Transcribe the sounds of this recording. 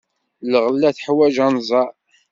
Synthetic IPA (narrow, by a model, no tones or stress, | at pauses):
ləʁəlːæθħwæʒænzˤɑ